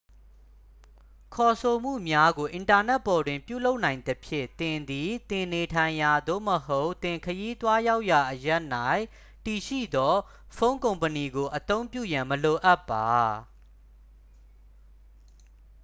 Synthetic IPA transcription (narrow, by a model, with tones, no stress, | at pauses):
kʰɔ˨sʰo˨m̥ṵ˦˨mja˦ɡo˨ʔɪ̃˨nta˨nɛ˦ʔpːɔ˨dwɪ̃˨mpjṵ˦˨lo˦ʊʔnã˨ɪ̃nd̪əpʰjɪ̰̃˦˨t̪ɪ̃˨nd̪i˨t̪ɪ̃˨ne˨tʰã˨ɪ̃ja˨d̪o̰˦˨məɦo˦ʊt̪ɪ̃˨ŋkʰəji˦t̪wa˦ja˦ʊʔja˨ʔəja˦ʔna˦˨ɪ̃ | ti˨ʃḭ˦˨d̪ɔ˦ | fõ˦ʊ̃ŋkõ˨ʊ̃mpəni˨ɡo˨ʔət̪õ˦ʊ̃mpjṵ˦˨jã˨məlo˨ʔa˦pːa˨